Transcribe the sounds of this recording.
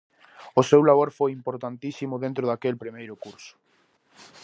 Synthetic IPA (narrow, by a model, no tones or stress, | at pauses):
ʊsewlaβ̞oɾfojimpoɾt̪ant̪isimʊðẽnt̪ɾʊðakelpɾimejɾʊkuɾsʊ̥